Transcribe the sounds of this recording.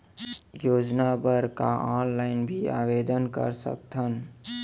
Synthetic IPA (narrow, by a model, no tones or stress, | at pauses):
joːd͡ʒnabəɾkaaːnlaːɪnbʱia̰ːʋeːd̪ənkə̰ɾsə̰k̚t̪ʰən